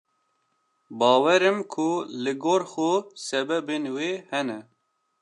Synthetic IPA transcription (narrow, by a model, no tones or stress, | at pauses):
bɑːwɛɾɨmkʰʊlɨɡoːɾxosɛbɛbeːnweːhɛnɛ